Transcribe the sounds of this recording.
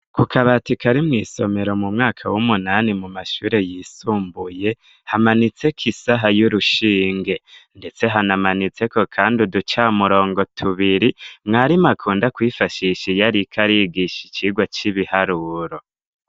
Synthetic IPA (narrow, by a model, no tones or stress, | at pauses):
kʰukʰaβatikʰaɾimŋiːso̞me̞ɾo̞mumŋaːkʰawumunanimumaʃuːɾe̞jiːsuːmbuje̞ | hamanit͡se̞kʰisaɦajuɾuʃiːŋɡe̞nde̞t͡se̞ɦanamanit͡se̞ko̞kʰaːndidut͡ʃaːmuɾo̞ːŋɡo̞tʰuβiɾimŋaɾimakʰuːndakwiːfaʃiʃijaɾikʰaɾiɡiʃi̥t͡ʃiːɡwat͡ʃiβihaɾuɾo̞